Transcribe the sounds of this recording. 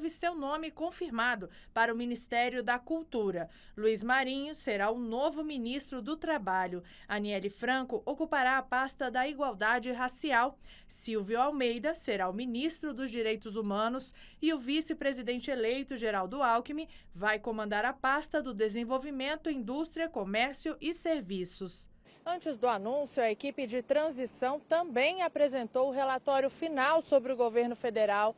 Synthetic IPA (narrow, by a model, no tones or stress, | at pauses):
vɪsewnõmɪkõfiɾmad̪ʊ | paɾɐʊminist̪ɛɾjʊd̪ɐkuwt̪uɾɐ | luizmaɾĩɲʊseɾaʊnovʊminist̪ɾʊd̪ʊt̪ɾabaʎʊ | ɐniɛlɪfɾɐ̃kʊʔokupaɾaɐpast̪ɐd̪ɐiɡwawd̪ad͡ʒɪɦasiaw | siwvjʊawmejd̪ɐseɾaʊminist̪ɾʊd̪ʊzd͡ʒiɾejt̪ʊzumɐ̃nʊs | ɪʊvisɪpɾezid̪ẽnt͡ʃɪelejt̪ʊʒeɾawd̪ʊawkimɪ | vajkõmɐ̃nd̪aɾɐpast̪ɐd̪ʊd̪ezẽvowvimẽnt̪ʊĩd̪ust̪ɾiɐkomɛɾsiʊʔɪseɾvisʊs | ɐ̃nt͡ʃɪzd̪ʊanũsjʊɐekipɪd͡ʒɪt̪ɾɐ̃zisɐ̃w̃t̪ɐ̃bẽj̃apɾezẽnt̪owʊɦelat̪ɔɾjʊfinawsobɾɪʊɡoveɾnʊfed̪eɾaw